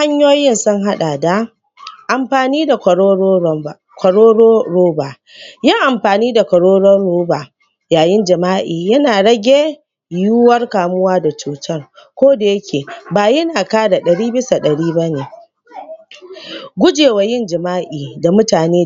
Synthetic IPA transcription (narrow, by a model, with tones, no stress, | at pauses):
ha˦ɲjoː˦jɪ˦nsʊ˦ŋɦa˦ɗaː˨da˨ | ʔa˨mɸaː˨niː˦da˨˦˨ | kʷɐ˨ɽoː˦o˦ɾoː˦ba˨ | jɐ˦ŋʔa˨mɸaː˨niː˦da˨kɐ˨ɽoː˦ɽɔ˦oː˦ba˨ | jaː˨jɪ˦nd͡ʒɐ˨maː˦ʔiː˨jɐ˦naː˨ɽɐ˦ɡʲe˦ | juː˦wɐ˦rkaː˨mʊ˦waː˦da˨t͡ʃuː˨tʰɐ˦rkʷoː˦da˨jɐ˦kʲʰeː˨baː˨jɐ˦naː˨kaː˦da˨ɗɐ˨ɽiː˦bɪ˦sa˨ɗɐ˨ɽiː˦ba˦neː˨ | ɡʷʊ˦d͡ʒeː˨wa˨jɪ˦nd͡ʒɐ˨maː˦ʔiː˨da˨mʊ˦taː˨neː˦